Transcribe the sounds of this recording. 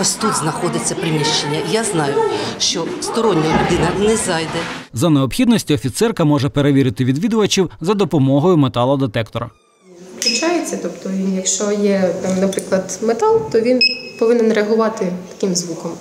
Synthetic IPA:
ɔsʲt̪ut̪znɐxɔd̪ɪt͡sʲːɐpɾɪmʲiʃt͡ʃenʲːɐjaznɑjʊʃt͡ʃɔst̪ɔɾɔnʲːɐlʲʊd̪ɪnɐnɛzɑjd̪ɛzɐneɔpxʲid̪nɔsʲtʲiɔfʲit̪sɛrkɐmɔʒɛpeɾeʋʲiɾɪt̪ɪʋʲid̪ʋʲid̪ʊʋɐt͡ʃiwzɐd̪ɔpɔmɔɦɔjʊmet̪ɑlˠɐd̪et̪ɛkt̪ɔɾɐ | ɾʲit͡ʃajet͡sʲːɐt̪ɔpt̪ɔjɐkʃt͡ʃɔjɛnɐpɾɪklˠɐd̪met̪ɑlˠt̪ɔʋʲinpɔʋɪnɛnreɐɦʊʋɑt̪ɪt̪ɐ̥kɪmzʋukɔm

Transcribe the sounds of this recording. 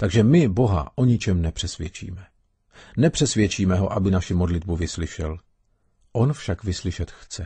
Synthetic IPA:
t̪aɡʒɛmɪbo̞ɦa̰ʔo̞ɲɪt͡ʃɛmnɛpr̥ɛsvjɛt͡ʃḭːmɛ | nɛpr̥ɛsvjɛt͡ʃiːmɛɦo̞ʔabɪnaʃɪmodlɪd̪̚buvɪslɪʃɛl | ʔonfʃakvɪslɪʃɛt̪xt͡sɛ

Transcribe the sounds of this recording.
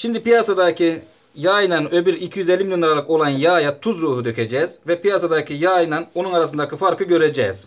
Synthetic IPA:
ʃimd̪ipijasad̪acʰi | jaːjnanø̞byɾicʰijyzelʲːimilʲjonˠaɾalˠɯko̞lˠanjaːjat̪ʰuzɾuːhud̪øcʲʰed͡ʒɛːz̥vɛpijasad̪acʰijaːjnano̞nunaɾasɯnd̪acʰifaɾkʰɯɟø̞ɾed͡ʒɛ̰ːz̥

